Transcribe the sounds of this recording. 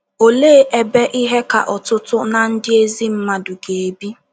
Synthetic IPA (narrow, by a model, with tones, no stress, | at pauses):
o˨leː˦ʔe˦be˦ʔi˦ɦe˦ka̰˨ʔɔ˨tʊ˦tʊ˦na˨n̩˦dɪ˦e˦zi˦m̩˦ma˨dʊ˨ɡe˨e˨bi˦